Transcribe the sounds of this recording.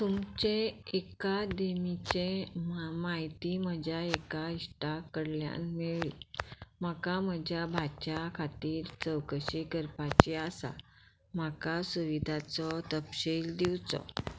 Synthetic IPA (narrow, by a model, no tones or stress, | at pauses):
t̪umt͡ɕẽekad̪emit͡ɕe | maɦit̪iməd͡ʑʱjaekaiɕʈakəɽlja̰nmeɭiːm̤əkaməd͡ʑʱjabʱat͡ɕakʰat̪iːɾt͡səwkəɕiːɡəɾpat͡ɕiasa̰ | m̤akasuʋid̪ʱat͡sɔt̪əpɕiːld̪iwt͡sɔ̰